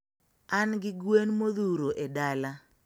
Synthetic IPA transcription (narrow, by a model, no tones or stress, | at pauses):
anɡɪɡwenmoðuɾoʔedala